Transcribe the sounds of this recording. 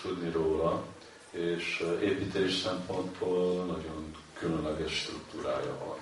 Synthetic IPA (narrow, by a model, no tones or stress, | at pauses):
t̪ud̪niɾoːlɒ | eːʃeːpiːt̪ʰeːʃsɛmpo̞nd̪boːlnɒɟo̞n | kylønlɛɡɛʃːt̪rukt̪uːɾa̰ːjɒ̰vɒ̰n